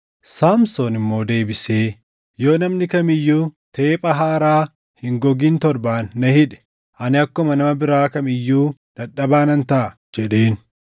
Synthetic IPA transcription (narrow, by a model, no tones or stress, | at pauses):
saːmsoːnɪmːo̞ːd̪e̞ːbɪse̞ː | jo̞ːnɐmnɪkɐmɪjːuːt̪eːpʼɐɦaːɾaː | hɪŋɡɔɡiːnt̪ɔɾbaːnːɐhɪᶑɛ̥ | ʔɐnɪɐkːɔmɐnɐmɐbɪɾaːkɐmɪjːuːᶑ̪ɐᶑːɐbaːnɐnt̪ɐʔɐ | d͡ʒɛᶑeːn